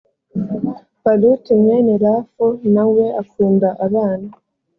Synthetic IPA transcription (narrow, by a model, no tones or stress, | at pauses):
palutimenelafonaweʔakuːndaʔaβaːna